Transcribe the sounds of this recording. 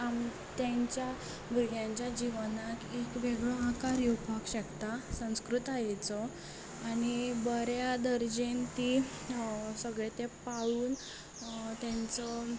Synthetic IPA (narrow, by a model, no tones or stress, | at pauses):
am | t̪jaɲt͡ɕja | buɡjãɲt͡ɕjad͡ʑiʋnakekʋeɡɭɔãkaɾjupakɕəkt̪asə̃w̃skɾut̪ajet͡sɔ | anibəɾjad̪əɾd͡ʑent̪i | səɡɭet̪epaɭuːn | t̪jãnt͡sə